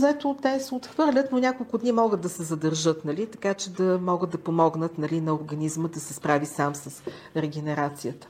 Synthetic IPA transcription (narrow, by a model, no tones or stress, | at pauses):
zɛt̪ot̪ɛsɛot̪xvɤɾlʲət̪nonʲakolˠkʊd̪nimɔɡəd̪ːɐsɛzɐd̪ɐɾʒɤt̪nɐlit̪ɐkat͡ʃɛd̪ɐmɔɡəd̪ɐpomɔɡnət̪nɐlinɐoʊɾɡɐnizməd̪ɐsɛspɾavisamsɐsɾɛɡ̟ɛnɛɾat̪sijət̪ə̥